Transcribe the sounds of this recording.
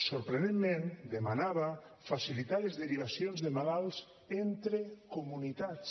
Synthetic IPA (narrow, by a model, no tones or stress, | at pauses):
soɾpɾenenmẽnd̪emanaβa | fasilit̪aɾezðeɾiβ̞asjonzðemalalˠs | ent̪ɾekomunit̪at͡s